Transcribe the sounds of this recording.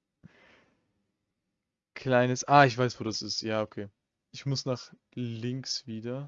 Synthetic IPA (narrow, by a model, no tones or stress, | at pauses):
kʰl̥aɪnəsʔaːɪçv̥aɪsv̥oːdasɪstjaːokʰeː | ʔɪçmʊsnaːχ | lɪŋksv̥iːdɐ